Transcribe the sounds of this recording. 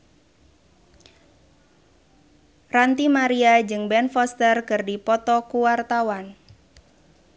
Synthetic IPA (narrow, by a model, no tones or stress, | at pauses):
rant̪imaɾiad͡ʒɨŋbɛnfɔst̪ərkɨrdipɔt̪ɔkuwart̪awan